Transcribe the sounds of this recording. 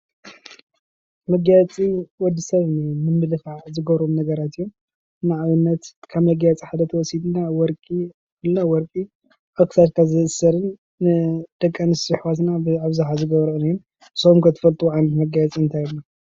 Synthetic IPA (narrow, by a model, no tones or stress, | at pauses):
mɐɡajt͡sʼiwɔd̪ːisɐβnɐjmɨmːɨlɨfaʕzɨɡɐβɾomnɐɡɐɾat̪ijːom | naʕaβɨnːɐt̪kʰaβmɐɡjat͡sʼiħad̪ɐt̪ʰɐwɔsid̪nawɔɾkʼi | ɨlnawɔɾkʼi | ʔoksʰat̪̚kʰazɨɨsɐɾɨnː | ɨd̪̥ɐkʼːɐnisɨħwat̪nabɨaβzaħazɨɡɐβɾɨnajːun | somkʰɐt̪ʰɐ̥fɐlt̪ʼuuʕanɐt̪mɐɡajt͡sʼiɨnt̪ʰajlːa